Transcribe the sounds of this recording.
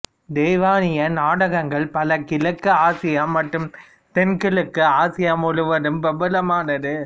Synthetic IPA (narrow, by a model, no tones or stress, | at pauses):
d̪eːʋaːnɪjɐnaːɽɐɣɐŋɡɐɭpɐlɐkɪlɐkːɯaːsɪjɐmɐʈːɯm | t̪ɛnkɪɭɯkːɯaːsɪjɐmɔɻɯʋɐɾɯmbɐbɐlɐmaːnɐðɯ